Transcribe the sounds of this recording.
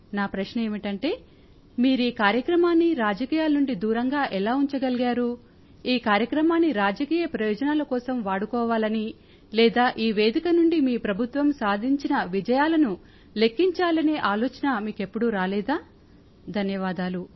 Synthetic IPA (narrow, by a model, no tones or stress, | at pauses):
naːpɾɐʃnɐe̞ːmiʈɐɳʈe̞ː | miːɾiːkaːɾjɐkɾɐmaːnːiɾaːd͡ʒɐkiːjaːlnuɳɖid̪uːɾɐŋɡaːʔɛlaːuɲt͡ʃɐɡɐliɡaːɾu | iːkaːɾjɐkɾɐmaːnːiɾaːd͡ʒɐkiːjɐpɾɐjɔːd͡ʒɐnaːlɐkɔːsɐmʋaːɽukɔːʋaːlɐni | lɛːd̪aːʔiːʋe̞ːd̪ikɐnuɳɖimiːpɾɐbʱut̪ʋɐmsaːd̪ʱiɲt͡ʃinɐʋid͡ʒɐjaːlɐnu | le̞kːiɲt͡ʃaːlɐniʔaːlɔːt͡ʃɐnɐmiːke̞pːuɽuɾaːlɛːd̪aː | d̪ʱɐnjɐʋaːd̪aːlu